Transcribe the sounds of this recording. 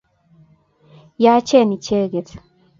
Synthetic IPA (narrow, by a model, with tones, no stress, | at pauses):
jaː˦t͡ʃɛ˦˨ni˨t͡ʃe˦ɡe˨t